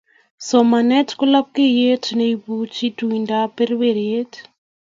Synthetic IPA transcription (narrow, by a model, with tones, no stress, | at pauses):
sɔ˨ma˨nɛ˦tkʊ˦la˦p̚ke˦je˦tneibut͡ʃi˦tuinda˦peɾweɾje˦t